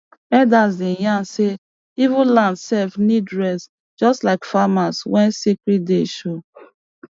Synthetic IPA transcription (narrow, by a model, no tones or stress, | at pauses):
ɛdasdĩjãnse | ivũnlãndsɛlfnidɹɛs | d͡ʒɔstlaɪkfamaswɛ̃nsikɹit̚deʃo